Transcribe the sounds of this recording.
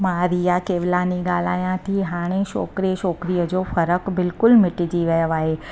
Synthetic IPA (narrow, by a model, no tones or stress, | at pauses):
maːɾijakeːʋlaːniɡaːl̤a̰ːjãt̪ʰiɦaːɽ̃eʃɔ̰ːkɾiʃɔːkɾijəd͡ʑoːfɐɾəkbɪlkʊlmɪʈɪd͡ʑiʋɐjəʋaːɦeː